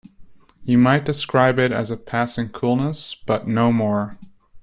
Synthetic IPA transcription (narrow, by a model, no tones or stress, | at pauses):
jɨmaɪt̚d̥ɨskɹaɪbɪɾɨ̰zɨpʰæsɪ̃ŋkʰulˠnəsb̥ʌtⁿnoʊmɔɹ